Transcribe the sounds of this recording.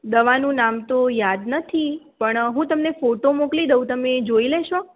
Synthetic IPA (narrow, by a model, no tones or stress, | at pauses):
d̪əʋanũnamt̪ojad̪nət̪ʰipəɳɦũt̪əmnefoʈomoklid̪əũt̪əmed͡ʒoileʃo